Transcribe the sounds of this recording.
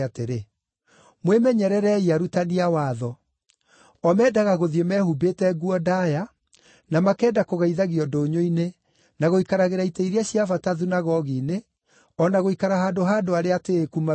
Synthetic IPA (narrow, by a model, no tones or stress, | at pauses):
ateɾe | mwemɛɲɛɾɛɾɛiaɾutaniawaːðɔ | ɔmɛːdaɣaɣoðiemɛhubetɛɡuɔdaja | namakɛːdakoɣaiðaɣiɔdoːɲoine | naɣoikaɾaɣeɾaiteiɾeaɕiavataðunaɣɔɣiːne | ɔnaɣoikaɾaɦaːdoɦaːdoaɾeateːkuma